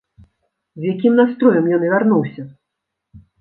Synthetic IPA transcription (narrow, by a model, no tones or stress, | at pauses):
zʲjakʲimnast̪ɾɔjɐmjɔnɨvʲarnuwsʲɐ